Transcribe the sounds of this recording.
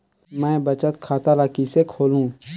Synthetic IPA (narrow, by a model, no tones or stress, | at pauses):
mɛ̃ːbət͡ʃət̪kʰaːt̪alaːkisekʰoːlũː